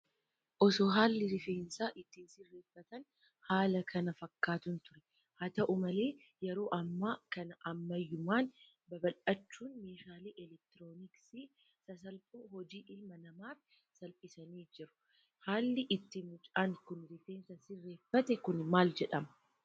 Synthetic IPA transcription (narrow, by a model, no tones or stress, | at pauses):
ʔɔsoːɦaːlːɪɾɪfeːnsaːʔɪt̪ːiːnsɪrːe̞ːfːɐt̪ɐn | haːlɐkʰɐnɐfɐkːaːt̪ʊnt̪ʊɾɛ | hɐt̪ɐʔʊmɐle̞ː | jɛɾo̞ːʔɐmːaːkɐnɐʔɐmːɐjːʊmaːn | bɐbɐlɐt͡ʃːuːnmeːʃaːleːʔɛlɛk̚t̪ɪɾoːniksi | sɐs̬ɐlpʼuːhɔd͡ʒiːʔɪlmɐnɐmaːf | sɐlpʼɪsɐniːd͡ʒɪɾʊ̥ | haːlːɪʔɪt̪ːɪmʊt͡ʃʼaːŋkʊnɾɪfe̞ːnsɐsɪrːe̞ːfːɐt̪ɛkʊnmaːld͡ʒɛᶑɐmɐ